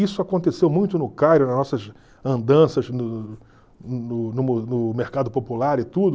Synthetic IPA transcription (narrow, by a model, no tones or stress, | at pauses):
isʊakõnt̪esewmũj̃t̪ʊnʊkajɾʊnɐznɔsɐz | ɐ̃nd̪ɐ̃sɐznʊ | nʊnʊnʊmeɾkad̪ʊpopulaɾɪt̪ud̪ʊ